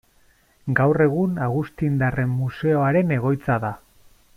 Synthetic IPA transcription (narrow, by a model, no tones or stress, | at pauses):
ɡawre̞ɣunaɣust̪ind̪are̞mːuse̞o̞aɾe̞ne̞ɣ̞o̞jt͡saða